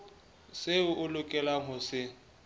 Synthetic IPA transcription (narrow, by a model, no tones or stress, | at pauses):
sɪʊʔʊlʊkʼɛlaɦʊsɪ